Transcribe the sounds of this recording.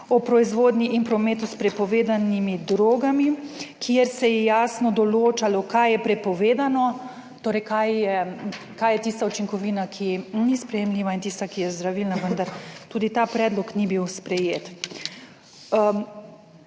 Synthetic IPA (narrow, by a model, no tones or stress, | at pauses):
ɔpɾɔizʋoːd̪nʲiʔinpɾɔmeːt̪uspɾɛpɔʋeːd̪animid̪ɾoːɡamikʰieɾsɛjɛjaːsnɔd̪ɔloːt͡ʃalɔkajjɛpɾɛpɔʋeːd̪anɔ | t̪oːɾɛjkajjɛ | kajɛt̪ist̪aut͡ʃiŋkɔʋiːnakʰinispɾɛjɛmliːʋaint̪iːst̪akijɛzd̪ɾaʋiːlnaʋənd̪aɾt̪uːd̪it̪aːpɾɛːd̪lɔknibiwspɾɛjeːt̪